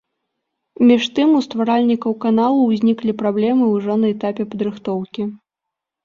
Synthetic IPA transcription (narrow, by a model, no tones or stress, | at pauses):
mʲiʂt̪ɨmust̪vaɾalʲnʲikɐwkanalˠuwzʲnʲiklʲipɾablʲɛmɨwʐɔnɐɛt̪apʲɛpɐd̪ɾɨxt̪ɔwkʲi